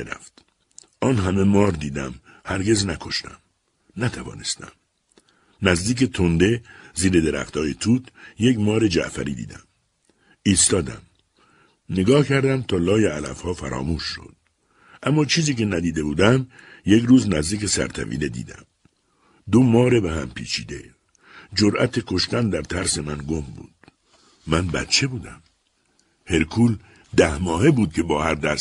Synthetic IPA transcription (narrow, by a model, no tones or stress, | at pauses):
eɾæ̰ft̪ | ʔɒːnɦæme̞mɒːɾd̪iːd̪æm | hæɾɡe̞znækʰo̞ʃt̪æ̰m | næt̪ʰævɒ̰ːnest̪æ̰m | næzd̪iːk̬et̪ʰond̪e̞ziːɾe̞d̪eɾæ̰xt̪ʰɒːjet̪ʰuːt̪jecmɒːɾe̞d͡ʒæ̰ʔfæ̰ɾiːd̪ḭːd̪æ̰m | iːst̪ɒːd̪æ̰m | neɡɒːhcʰæɾd̪æmt̪ʰɒːlɒːjeælæ̰fhɒːfæɾɒ̰ːmuːʃːo̰d̪̥̚ | ʔæmːɒːt͡ʃʰiːziːke̞næd̪iːd̪e̞buːd̪æm | je̞kɾuːznæzd̪iːce̞sæ̰ɾt̪ʰæ̰vḭːle̞d̪ḭːd̪æ̰m | d̪omɒːɾebehæmpʰḭːt͡ʃʰḭːd̪e̞̰ | d͡ʒoɾʔæ̰t̪ʰekʰo̞ʃt̪ænd̪æɾt̪ʰæɾse̞mænɡombṵːd̪̥ | mænbæ̰t̪t͡ʃʰe̞buːd̪æm | he̞ɾkʰuːl | d̪æhmɒːhebuːd̪̚cʰe̞bɒːhæɾd̪æs